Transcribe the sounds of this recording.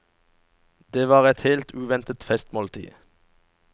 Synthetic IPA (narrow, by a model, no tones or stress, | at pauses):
d̪eːʋɑːʁɛt̪heːlt̪ʉːʋɛnt̪ət̪fɛst̪moːlt̪ʰḭː